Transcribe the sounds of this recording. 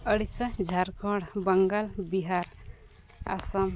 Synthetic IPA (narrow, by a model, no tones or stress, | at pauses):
əɽisəd͡ʒʱaɾkʰɔɽbəŋɡəlbiɦaɾ | a̰səm